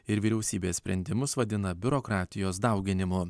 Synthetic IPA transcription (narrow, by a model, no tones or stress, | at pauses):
ɪɾʋʲiɾʲɛʊsʲiːbʲeːsʲpʲɾʲɛnʲd̪ʲɪmʊsʋɐd̪ʲɪnɐbʲʊɾokɾɑːt̪ʲɪjoːs̬d̪ɑˑʊɡʲɪnʲɪmʊ